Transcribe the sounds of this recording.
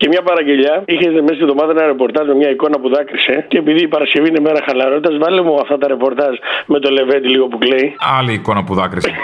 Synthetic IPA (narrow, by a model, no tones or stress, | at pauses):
ce̞mɲɐpɐɾɐɟe̞ʎɐiçest̪emest̪ivðo̞mɐðɐnɐɾepo̞ɾt̪ɐzmemɲɐiko̞nɐpuðɐkɾise̞ceːpiðiːpɐɾɐsce̞vinemeɾɐxɐlɐɾo̞t̪it̪ɐzvɐlemuɐft̪ɐt̪ɐɾe̞po̞ɾt̪ɐzme̞t̪o̞le̞ve̞t̪iliɣo̞pukleiɐliːko̞nɐpuðɐkɾis